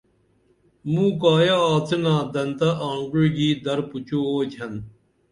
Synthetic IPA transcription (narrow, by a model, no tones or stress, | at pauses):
mũːkaːjaːaːt͡s̪ʰinãːd̪ɐnt̪ɐʔaːŋɡuɻɡiːd̪ɐɾput͡ɕuoːt͡ɕʰɐn